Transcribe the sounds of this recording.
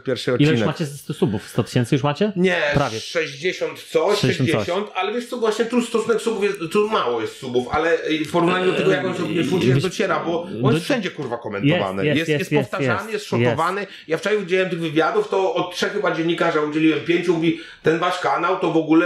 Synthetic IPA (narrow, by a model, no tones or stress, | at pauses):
pʲjɛɾfʂɨɔt̪it͡ɕɛinɛmat͡ɕɛt̪ɔsubufst̪ɔt̪ɘ̥ɕɛnt̪sɨjuʂmat͡ɕɛɲɛpɾavʲjɛʂɛʑd͡ʑeɕɔnt̪t̪sɔɛd͡ʑɛɕɔnt̪alɛvʲjɛʂtsɔvwaɕɲɛt̪ust̪ɔsunɛksubufjɛst̪t̪umawɔjɛst̪subufa̰lɛfpɔɾuvnaɲud̪ɔt̪ɛɛɡɔjakɔnsɛvɲɛuɲad̪ɔt͡ɕɛɾabɔɔnsfʂɛɲd͡ʑɛkuɾvakɔmɛnt̪ɔva̰nɛ̰jɛsɛst̪pɔsftt̪aʐanɨjɛst̪ʂɔk̪ɔvanɨ | jaft͡ʂaɕɛud͡ʑelʲiwɛmt̪ɪɣvɘvʲjad̪uft̪ɔɔt̪̚tʂɛxxɨbad͡ʑɛnɲːikaʐjaud͡ʑelʲiwɛmpʲjeɲt͡ɕumuvʲi | t̪ɛnvaʂkanawt̪ɔvɔɡulɛ